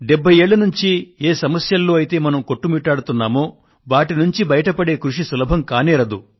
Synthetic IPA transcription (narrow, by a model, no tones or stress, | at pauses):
ɖebʱːɐje̞ːɭːɐnuɲt͡ʃieːsɐmɐsjɐlːoːɐjit̪e̞ːmɐnɐmko̞ʈːumiːʈːaːɽut̪unːaːmoː | ʋaːʈinuɲt͡ʃibɐjɐʈɐpɐɽe̞ːkɾuʂisulɐbʱɐmkaːniːɾɐd̪u